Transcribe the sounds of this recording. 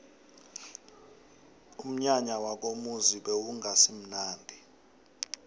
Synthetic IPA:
um̩ɲaɲawak̬ʼomuziɓɛwuŋʱasim̩naːndʱi

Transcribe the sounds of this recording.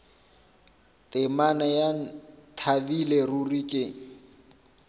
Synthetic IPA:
tʼɪmanajan̩tʰabilerurikʼɪŋ̩

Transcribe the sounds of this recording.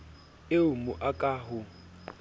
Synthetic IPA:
eʊmʊʔakʼaːɦʊ

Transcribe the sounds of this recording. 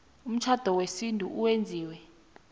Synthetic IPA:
um̩t͡ʃʰad̥ʱɔwesindʱṵʔuwend͡zʱiːwɛ

